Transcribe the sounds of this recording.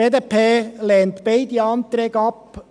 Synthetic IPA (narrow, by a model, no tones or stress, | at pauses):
eːd̪epʰeːleːnt̪b̥eɪd̪iɑnt̪ɾɛːɡəɑp